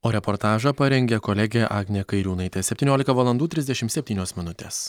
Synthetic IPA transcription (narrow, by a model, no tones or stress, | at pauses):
oːɾʲɛpɔɾt̪ɑːʒɐpɐɾʲɛŋʲɡʲɛkolʲɛɡʲeʔɑːɡnʲekɐɪɾʲuːnɐɪt̪ʲesʲɛpʲt̪ʲinʲoːlʲɪkt̪ɐʋɐlˠɐnd̪uːt̪ʲɾʲɪzd̪ʲɛʃʲɪmtsʲɛpʲt̪ʲiːnʲoːsmʲɪnʊt̪ʲeːs